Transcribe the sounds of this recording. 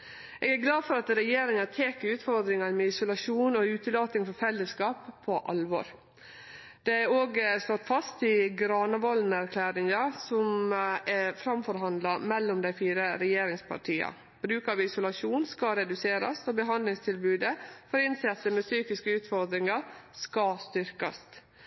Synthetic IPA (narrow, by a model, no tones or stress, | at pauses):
eɡæɾɡlɑːd̪fɔɾɑt̪ɾɛjeːɾɪŋɑt̪ʰeːkəɾʉːt̪fɔɾd̪ɾɪŋɑɾmɛɪsʊlɑʂuːnɔʉːt̪əloːt̪ɪŋfɔɾfɛlːəskɑːpʰːɔʔɑ̰lʋɔ̰ɾ | d̪̥ɛæoːɡst̪ɔt̪ːfɑst̪ɪɡɾɑːnəʋɔlnæɾkʰlæːɾɪŋɑsɔmɛfɾɑmfɔɾɦɑnd̪lɑmɛlːɔmd̪æɪfiːɾəɾɛjeːɾɪŋspʰɑ̰ʈʰiːɑ̰ | b̥ɾʉːkɑʋɪsʊlɑʂuːnskɑɾɛd̪ʉseːɾɑ̰sɔbəɦɑnd̪lɪŋst̪ʰɪlbʉːd̪əfɔɾɪnsɛt̪ːəmɛsyːkɪskəʉːt̪fɔɾd̪ɾɪŋɑskɑst̪ʏɾkɑ̰s